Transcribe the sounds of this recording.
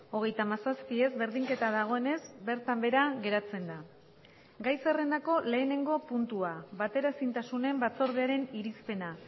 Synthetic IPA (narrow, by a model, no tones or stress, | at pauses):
o̞ɣ̞e̞jt̪amasaspie̞zβe̞ɾðiŋke̞t̪aðaɣ̞o̞e̞ne̞zbe̞ɾt̪ambe̞ɾaɣe̞ɾat͡se̞nd̪a | ɡajse̞re̞nd̪ako̞le̞ːne̞ŋɡo̞punt̪uaβat̪e̞ɾasint̪asune̞mbat͡so̞ɾð̞eaɾe̞niɾispe̞na